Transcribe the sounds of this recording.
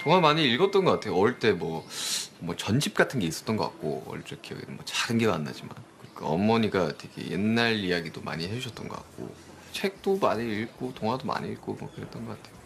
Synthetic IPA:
toŋɦamaɲiːɭɡʌt͈ʌnɡʌk͈atʰe̞joʌɯɭt͈e̞mwʌmʌt͡ɕʌnd͡ʑip̚k͈atʰɯnɡe̞is͈ʌt͈ʌnɡʌk͈a̰t̚k͈o̰ʌ̰ɭt͡ɕ͈ʌkʰiʌɡḭnɯmwʌt͡ɕaɡɯnɡe̞ɡa̰nːa̰d͡ʑima̰nkɯɾikʰaʌ̰mːʌɲiɡatʰe̞ɡḛjḛnːaɭijaɡidoma̰ɲihed͡ʑuɕʰʌt͈̚ʌnɡʌk͈a̰k̚k͈o̰ | t͡ɕʰe̞k̚t͈omaɲiːɭɡotoŋɦadoma̰ɲiiɭɡomwʌ̰kɯɾe̞t͈ʌnɡʌk͈atʰe̞jo

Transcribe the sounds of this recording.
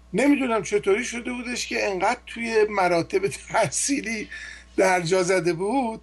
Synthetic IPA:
ne̞miːd̪unæmt͡ʃʰe̞t̪ʰoːɾiːʃo̞d̪e̞buːd̪e̞ʃcʰe̞eŋɢæːd̪̥̚t̪ʰuje̞mæɾɒːt̪ʰe̞bet̪ʰæsiːliːd̪̥æɾd͡ʒɒːzæd̪e̞buːd̪̥̚

